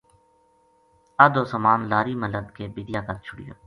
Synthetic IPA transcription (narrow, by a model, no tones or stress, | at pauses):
əd̪oːsəmaːnlaːɾiːmələd̪keːbiːd̪ɪjaːkəɾt͡ʃʰʊɽɪ̰jo̰ː